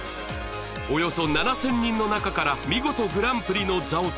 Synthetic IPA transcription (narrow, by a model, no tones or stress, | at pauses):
o̞jo̞so̞nanasẽɲ̟ːĩnːo̞nakakaɾamʲiɡo̞t̪o̞ɡɯ̟ɾãmpɯ̟ɾʲino̞d͡zao